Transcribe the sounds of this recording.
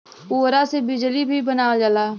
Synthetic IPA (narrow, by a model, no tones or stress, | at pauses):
uːɾaːseːbɪd͡ʒliːbʱiːbənaːʋəd͡ʒalaː